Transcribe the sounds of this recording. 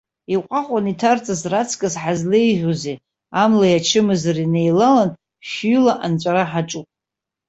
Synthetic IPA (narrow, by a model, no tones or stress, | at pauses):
iqʷʼaχʷʼanitʰart͡sʼazrat͡sʰkʼazħazlejʒᶣʷoze | amlajat͡ʃʰɨmɨzrine̞jlalan | ʃlaʔant͡ʃʷʼaɾaħaʈ͡ʂʼupʼ